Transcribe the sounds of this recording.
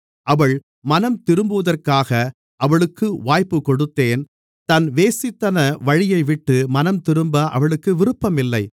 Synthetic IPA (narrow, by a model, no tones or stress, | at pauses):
ʔɐʋɐɭ | mɐnɐmt̪ɪɾɯmbɯʋɐðɐrkaːɣɐ | ʔɐʋɐɭɯkːɯʋaːjpːɯkɔɽɯt̪ːeːn | t̪ɐnʋeːsɪt̪ːɐnɐʋɐɻɪjɐɪʋɪʈːɯmɐnɐmt̪ɪɾɯmbɐʔɐ̰ʋɐɭɯkːɯʋɪɾɯpːɐmɪlːɐɪ